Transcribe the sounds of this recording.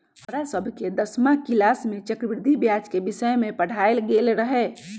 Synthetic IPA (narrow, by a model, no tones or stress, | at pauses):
əɾasəbʱked̪əsmakilasmẽt͡ʃəkɾbɾɪd̪ʱibjad͡ʒkebisəjmẽpəɽ̤aelɡelɾəɦɛ